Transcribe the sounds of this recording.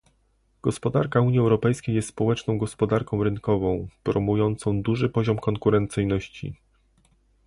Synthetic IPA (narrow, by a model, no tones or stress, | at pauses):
ɡ̥ɔspɔd̪aɾkauɲiɛwɾɔpɛjskʲejːɛst̪spɔwɛt͡ʂnɔ̃w̃ɡɔspɔd̪aɾkɔ̃w̃ɾɘnkɔvɔ̃w̃pɾɔmujɔnt̪sɔ̃w̃d̪uʐɘpɔʑɔmkɔŋkuɾɛnt̪sɘjnɔɕt͡ɕḭ